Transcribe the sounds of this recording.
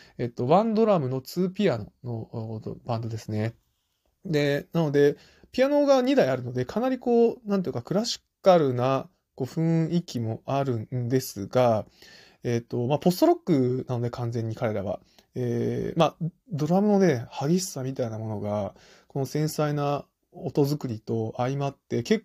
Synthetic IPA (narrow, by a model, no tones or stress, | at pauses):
e̞t̪ːo̞βãnd̪o̞ɾamɯ̟no̞t͡sɨːpʲiano̞̰no̞bãnd̪o̞d̪e̞sɨne̞ | d̪e̞nano̞d̪e̞ | pʲiano̞ɡaɲ̟id̪aiaɾɯ̟no̞d̪e̞kʰanaɾʲiko̞ːnãnt̪oi̟kakɯ̟ɾaɕi̥kaɾɯ̟na | ko̞ːɸɯ̟̃ɰikʲimo̞aɾɯ̟̃nd̪e̞sɨɡa | et̪ːo̞mapo̞st̪oɾokːɯ̟nano̞d̪e̞kʰãnd͡zẽ̞ɲ̟ːikaɾe̞ɾaβ̞a̰ | eːmad̪o̞ɾamɯ̟no̞ne̞haɡʲiɕi̥samʲit̪ainamo̞no̞ɡa | ko̞no̞sẽ̞saina | ot̪o̞zɨkɯ̟ɾʲit̪o̞aimat̪ːe̞ke̞kː